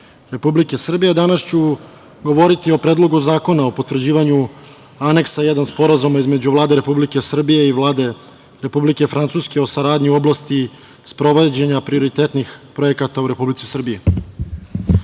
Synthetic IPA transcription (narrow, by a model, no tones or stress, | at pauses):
ɾe̞publikesr̩bije̞d̪anast͡ɕu | ɡo̞ʋo̞ɾit̪io̞pɾed̪lˠo̞ɡuzaːko̞naopo̞t̪ʋr̩d͡ʑiːʋaɲu | ane̞ksajed̪anspo̞ɾazumaizme̞d͡ʑuʋlˠaːd̪e̞ɾe̞publike̞sr̩bije̞iʋlˠaːd̪e̞ | ɾe̞publike̞fɾant̪suske̞o̞saɾaːd̪ɲiuo̞blast̪i | spɾo̞ʋed͡ʑeɲapɾio̞ɾit̪eːt̪nixpɾo̞je̞kat̪auɾe̞publit̪si̥sr̩bije